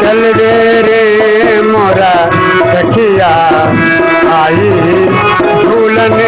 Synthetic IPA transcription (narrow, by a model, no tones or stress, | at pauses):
t͡ʃɐld̪e | ɾi | moːɾa | dʱɐkʰijaː | aːji | d͡ʒʱuːlɐn